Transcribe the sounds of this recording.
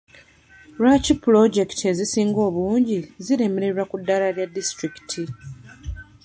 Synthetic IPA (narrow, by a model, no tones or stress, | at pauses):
ɾacipːulo̞ɟe̞ktʰie̞zisiːŋɡo̞ːβuːɲɟiziɾe̞meɾe̞ɾakudːalaljadːistɾiki̥tʰi